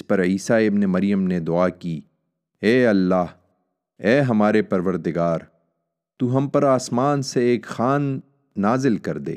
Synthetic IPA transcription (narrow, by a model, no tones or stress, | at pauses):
spɐɾiːsaɪbnemɐɾjəmned̪ʊaːki | ɛːɐlːaːɦ | ɛːɦɐmaːɾepɐɾʋəɾd̪ɪɡaːɾ | t̪uːɦɐmpɐɾaːsmaːnseːkxaːnː | aːzɪlkɐɾd̪ḛː